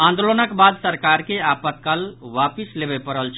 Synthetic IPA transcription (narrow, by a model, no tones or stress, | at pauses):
ãnd̪olonəkbad̪səɾkaɾkeapət̪kalwapislebɛpəɾəlt͡ʃʰ